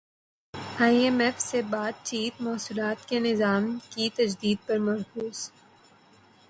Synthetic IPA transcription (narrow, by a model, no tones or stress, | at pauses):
aːiɛmɛfsebaːt̪̚t͡ʃiːt̪maːsuːlaːt̪kenɪzaːmkit̪ɐd͡ʒd̪iːd̪̚pɐɾmɐɾkuːs